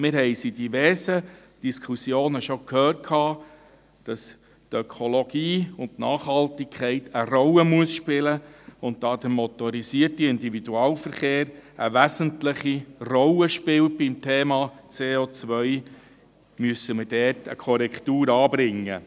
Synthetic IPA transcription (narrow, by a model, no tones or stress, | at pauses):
mɪɾɦɛɪsid̥ivɛɾsə | d̥iskχusjoːnəʃokʰhøːrt̚kʰhɑː | d̥ɑs | tœkʰolɔɡ̥iːʊntnɑːχhɑltɪkʰχɛɪtəɾɔləmuəsʃpɪləʊnt̚d̥ɑːd̥̪əmɔt̪ɔɾisiətiɪnd̪ivid̥uɑːlfəɾχeːɾəʋæzəntləχirɔləʃpɪwt̚b̥imtʰeːmɑːt͡seːoːt͡sʋœʏ | myəsəməɾdɛtə̰kʰɔɾɛktuːɾɑːbɾɪŋːə̰